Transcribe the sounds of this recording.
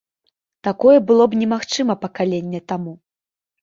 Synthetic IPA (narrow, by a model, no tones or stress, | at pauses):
t̪akɔjɛbɨlˠɔbnʲɛmaxt͡ʂɨmɐpɐkalʲenʲːɛt̪amu